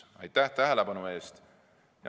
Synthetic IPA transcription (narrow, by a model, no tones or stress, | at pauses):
ɑ̰jt̪ːˑæht̪æɦelebɑnue̞ːst̪ | jɑ